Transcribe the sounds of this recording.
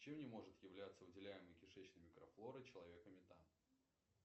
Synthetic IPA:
t͡ɕemnʲɪmo̞ʐɨt̪jɪvlʲæt̪sːəvɨdʲɪlʲæjɪməjkʲɪʂɛt͡ɕnəmʲɪkɾɐflˠo̞ɾɨt͡ɕɪlˠɐvʲe̞kəmʲɪt̪am

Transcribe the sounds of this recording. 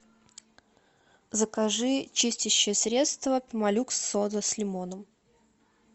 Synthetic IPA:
zəkaʐɨt͡ɕisʲtʲɪɕːɪjəsɾʲet̪st̪vəpʲɪmɐlʲuksod̪əslʲɪmonəm

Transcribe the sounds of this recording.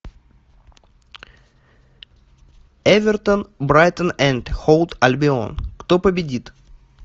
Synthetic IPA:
ɛvʲɪrt̪ənbɾajt̪ənɛnʲt̪xolˠt̪ɐlʲbʲɪo̰nkt̪opəbʲɪdʲit̪

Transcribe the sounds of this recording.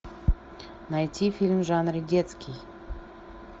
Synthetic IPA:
najtʲifʲilʲmʐanɾɨɡʲɛt̪skʲij

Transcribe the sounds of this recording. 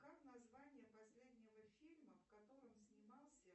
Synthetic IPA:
kaknɐzvanʲɪjəpɐsʲlʲed̪ʲnʲɪvəfʲilʲməfkɐt̪o̞ɾɨmsʲnʲɪmɑlˠsʲə

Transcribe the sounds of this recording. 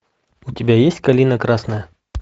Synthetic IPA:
ʊtʲɪbʲajesʲtʲkɐlʲinəkɾasnəjə

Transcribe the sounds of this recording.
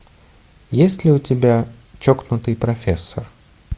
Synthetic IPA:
jesʲtʲlʲɪʊtʲɪbʲa | t͡ɕoknʊt̪ɨjpɾɐfʲesːər

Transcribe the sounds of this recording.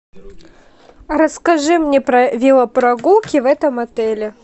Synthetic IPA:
ɾɐskɐʐɨmnʲɛpɾɐvʲilˠɐpɾɐɡulˠkʲɪvɛt̪ɐmɐt̪ɛlʲɪ

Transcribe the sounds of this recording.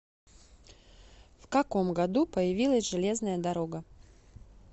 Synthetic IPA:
fkɐko̞mɡɐd̪upəjɪvʲilˠəsʲʐɨlʲe̞znəjəd̪ɐɾoɡə

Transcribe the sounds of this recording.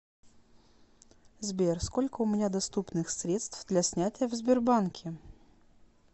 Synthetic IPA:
zbʲersko̞lʲkəʊmʲɪnʲad̪ɐst̪upnɨxsɾʲet̪st̪vd̪lʲasʲnʲætʲɪjəvzʲbʲɪrbankʲʰɪ

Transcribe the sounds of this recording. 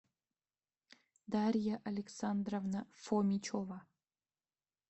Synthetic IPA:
d̪aɾʲjaʔɐlʲeksand̪rovnafomʲit͡ʃʰova

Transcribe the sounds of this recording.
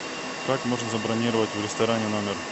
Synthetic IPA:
kakmo̞ʐɨmzɐbɾɐnʲiɾəvətʲvɾʲɪst̪ɐɾanʲɪnomʲɪr

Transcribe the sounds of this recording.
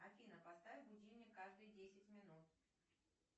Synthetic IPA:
ɐfʲinəpɐst̪avʲɪbʊdʲimʲəkaʐd̪ɨjdʲesʲɪtʲmʲɪnut̪̚

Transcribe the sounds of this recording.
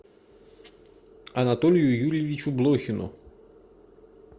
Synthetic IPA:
ɐnat̪ɔlʲjujulʲjeʋʲit͡ʃublˠɔxʲɪnʊ̰

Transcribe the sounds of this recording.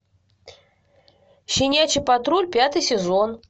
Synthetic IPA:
ɕʲinʲat͡ɕipat̪ɾulʲpʲat̪ɨjsʲɛzon

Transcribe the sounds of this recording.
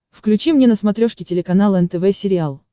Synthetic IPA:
fklʲʉt͡ɕimnʲenəsmɐt̪ɾʲo̞ʂkʲɪtʲɪlʲɪkɐnalˠəɛnt̪ɛvɛsʲɪɾʲɪalˠ

